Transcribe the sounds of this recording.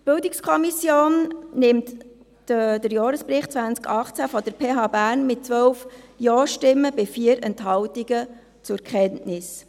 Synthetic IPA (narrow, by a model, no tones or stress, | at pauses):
b̥ɪldikskʰɔmisjoːnnɪmt | d̥əɾjɑːɾəspɾɪχt̚t͡sʋænt͡skɑχt͡sæfɔd̥əɾpʰeːɦɑːbæːɾnmɪt̚t͡sʋœwfjɔːʃtɪmːəbɪfiːəɾɛntɦɑwtiɡ̥ə | t͡sʊɾkʰχɛntnɪs